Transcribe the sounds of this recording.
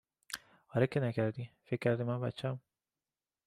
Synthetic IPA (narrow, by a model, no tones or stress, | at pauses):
ɒːɾekʰːenækʰæɾd̪ifekʰːæɾd̪imænbæt̪t͡ʃʰːæm